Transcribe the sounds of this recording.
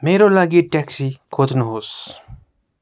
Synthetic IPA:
meːɾolaɡiʈɛksikʰoːt̪nuɦoːs

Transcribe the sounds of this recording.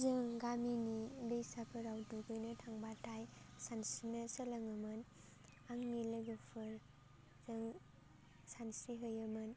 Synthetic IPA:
zɯŋɡaminilɯjsapʰɯɾawduɡɯjnɐtʰaŋbatʰajsansinɐsəlɐŋɯmɯn | aŋnilɯɡɯpʰɯɾ | zɯŋ | sansiɦɯjɯmɯn

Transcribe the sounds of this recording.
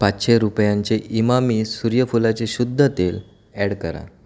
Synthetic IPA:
patɕeɾupjãɲt͡ɕeʔimamiːsuɾjəfulat͡seɕud̪ʱːət̪el | ɛɽkə̰ɾa̰

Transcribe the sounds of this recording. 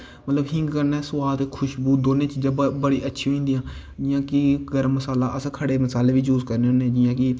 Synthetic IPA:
mət̪ləbɦɪ̃ŋɡkəɾnɛːsʊwaːd̪kʰʊʃbuːd̪oːnẽːt͡ʃd͡ʒəbəɽiːʔətːʃʰĩĩːnd̪ijãː | d͡ʒɪjãːkiɡəɾəmːəsaːlaːʔəsãkʰəɽeːməsaːleːbiːd͡ʒuːzkəɾneːneːd͡ʒɪjãːkɪ

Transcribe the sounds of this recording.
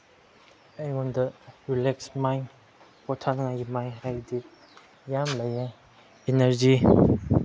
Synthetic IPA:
ejŋundɐɾileksmaj | pɔtʰanŋajɡimajɦajdik̚ | jamlaja | eneɾd͡ʒi

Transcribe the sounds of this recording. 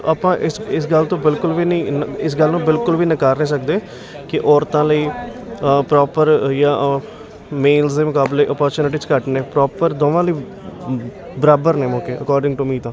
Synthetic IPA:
aːpãːʔɪsɪsɡəlt̪õːbɪlkʊlʋiːnĩːɪs̬ɡəlnũːbɪlkʊlʋiːnəkaːɾneːs̬əkd̪eː | kɪʔɔːɾt̪ãːləiː | pɾɔːpəɾjãː | meːlsd̪eːmʊkaːbleːʔəpɔːɾt͡ʃuːnɪʈ̬iːt͡ʃkəʈneːpɾɔːpəɾd̪oːʋãːləiː | bəɾaːbəɾneːmõːkeːʔə̰kɔːɾɖɪ̃ŋɡʈumiːt̪ãː

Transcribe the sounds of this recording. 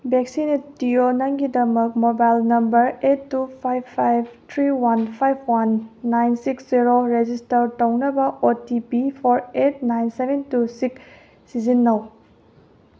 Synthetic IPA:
bek̚sinetionɐŋɡidɐmɐk̚mobajlnɐmbɐɾetːupʰajbʰajb̚tʰɾiwanpʰajpʰwanːajnsiksziɾoɾed͡ʒistɐɾtownɐbɐʔotipipʰoɾet̚najnsebʱentusik | sizinːɐw

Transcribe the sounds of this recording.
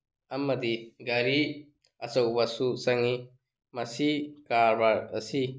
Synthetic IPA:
ɐmɐd̪iɡɐɾi | ɐsɐwbɐsusɐŋi | mɐsikaɾbaɾɐ̰si

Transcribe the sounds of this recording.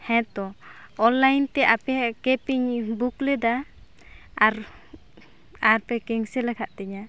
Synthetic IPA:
hɛ̃t̪ɔɔnlajnt̪ɛʔapɛkɛpiɲbuklɛd̪a | aɾ | aɾpɛkɛŋsɛlɛkʰaʔt̪ɛɲa

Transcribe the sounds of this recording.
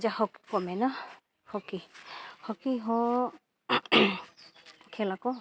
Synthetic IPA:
d͡ʒahɔkkɔmɛna | hɔkihɔkiɦɔ̃ | kʰɛlakɔ

